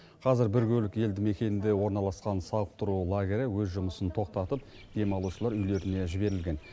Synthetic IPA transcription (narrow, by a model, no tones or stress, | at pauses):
qʰɑzɪɾbɪɾkʲʰɵlɪkje̞ld̪ɪme̞kʲe̞nɪnd̪e̞wo̞ɾnɑlˠɑsqɑnsɑəq̚t̪ʊɾulˠaɡʲeɾʲɪwɵzʒʊməsənt̪ʰo̞q̚t̪ɑt̪əp̚ | d̪̥e̞mɑlˠuʃəlˠɑɾʏjle̞ɾɪne̞ʒɪbe̞ɾɪlɡʲe̞n